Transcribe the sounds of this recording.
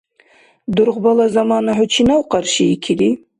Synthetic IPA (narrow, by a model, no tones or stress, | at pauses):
d̪ʊɾʁbalazamɑnaħʊt͡ʃʰinawqɑɾʃiikʲʰili